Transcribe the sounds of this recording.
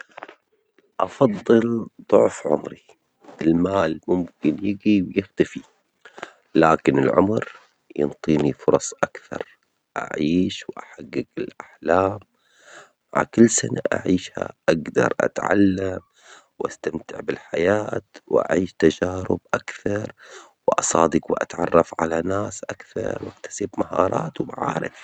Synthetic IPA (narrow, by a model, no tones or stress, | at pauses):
ʔɑfɑðˤːɨlðˤʊʕfʕʊ̰mɾi | ʔɪlmaːlmʊmkɪnjɪɡiwjɪxt̪afi | laːkɪnɪlʕʊ̰mɾ | jɨ̰nt̪ˤiːnifʊɾˤɑsˤʔakθɑɾˤ | ʔa̰ʕiːʃwʔaħaɡːɪɡɪlʔaħlaːm | maʕakɪlːsanaʔa̰ʕiːʃha̰ʔaɡd̪ɑ̰ɾˤʔa̰t̪ʕa̰lːam | wʔast̪amt̪ɪʕbɪlħajaːt̪wʔa̰ʕiːʃt̪ad͡ʒaːɾɪ̰bʔakθɑɾˤwʔɑsˤɑːd̪ɪqwʔa̰t̪ʕɑrˤːɑfʕalanaːsʔakθɑ̰ɾˤwʔak̚t̪ḁsibmahɑːɾˤɑːt̪wbaʕaːɾɪ̰f